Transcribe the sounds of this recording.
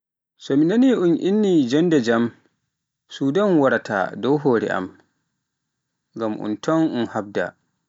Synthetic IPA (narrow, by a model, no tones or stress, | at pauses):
sɔminaniʔunʔinːid͡ʒɔndɛd͡ʒam | suːdanwaɾatʰa̰dɔwɦoːɾɛ̰ʔa̰m | ŋɡamʔṵntʰɔnunhab̚da̰